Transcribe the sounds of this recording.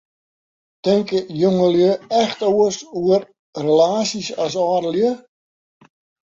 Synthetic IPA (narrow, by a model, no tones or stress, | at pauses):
tɪŋkəjoŋəljøɛxtoəsuər | relaːsisas̬ɔːɾəljø